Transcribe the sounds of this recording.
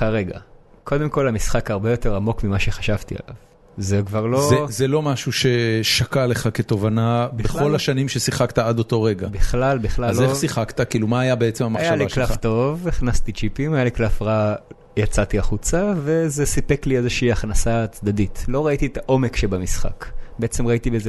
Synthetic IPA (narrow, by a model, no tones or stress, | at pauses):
aʁeɡa̰ | kʰo̞d̪e̞mko̞lamisχakhaʁbejo̞t̪e̞ʁamo̞kmimaʃe̞χḁʃavt̪ia̰la̰v | zekvaʁlo̞ezelo̞maʃuʃe̞ʃakale̞χaket̪o̞vanabbeo̞laʃanimʃesiχaktaad̪o̞t̪o̞ʁeɡabiχlalbiχlazlesiχakt̪akiːlumaːjabeet͡semamaajaliklafft̪o̞viχnast̪it͡ʃipimajaliklafʁa | jat͡sat̪iaχut͡save̞zesipekliezeʃiːaχnasat͡sd̪ad̪itlo̞ʁait̪iet̪aʔo̞mekʃebamisχa̰kbeet͡semʁaitibeze